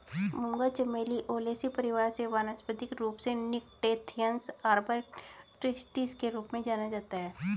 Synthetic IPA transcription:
mʊ̃ŋɡat͡ʃəmeːliʔoːleːsipəɾɪʋaːɾseʋaːnəsbəd̪ɪkɾuːpsenɪkʈeːt̪ʰijənsaːɾbəɾʈɾɪsʈiskeɾuːpmẽd͡ʒaːnad͡ʒaːt̪aɦɛː

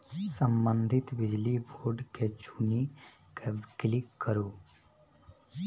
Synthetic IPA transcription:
səmbənd̪ʱɪt̪bɪd͡ʒliboːɾɖked͡ʒuːni | keklɪkːəɾuː

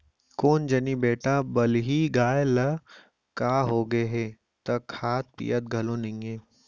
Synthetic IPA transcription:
koːnd͡ʒɐnibeːʈabɐlɦiɡaːjlɐ | kaːɦoːɡɐeɦeː | t̪ɐkʰaːt̪̚pḭjət̪̚ɡʱɐlõnɪ̃ŋeː

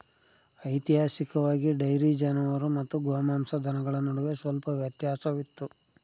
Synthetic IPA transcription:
ɐjt̪iɦaːʃikɐʋaːɡiɖɐjɾid͡ʒɐnɐʋɐɾumɐt̪ːuɡoːmaːmsɐd̪ʱɐnɐɡɐɭɐnɐɽuʋesʋɐlpɐʋjɐt̪jaːsɐʋit̪ːu

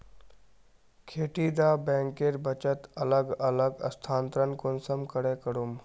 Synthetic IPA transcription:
kʰeːʈid̪abɛ̃ːŋkeɾbət͡ʃət̪ələɡələɡə̰st̪ʰaːnt̪ɾənkonsəmkəɽekəɽum

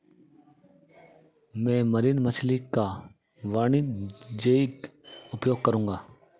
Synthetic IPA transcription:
mɛ̃ːməɾiːnmət͡ʃʰliːka | ʋaːɳiːd͡ʒeːikʊpjoːɡ̚kəɾũːŋɡaː

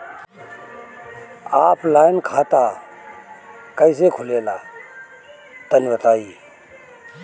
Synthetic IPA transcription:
aːplaːɪnkʰaːt̪aː | kəɪseːkʰʊleːlaː | t̪ənʋət̪ʰaːiː

